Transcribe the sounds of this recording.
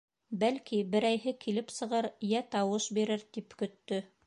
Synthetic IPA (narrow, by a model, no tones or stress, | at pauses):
bælkibɘ̆ɾæjɦɘkilɘpsɤ̆ʁɤɾjæt̪ɑwɤʃbiɾɘɾt̪ipkɵ̆t̪ːɵ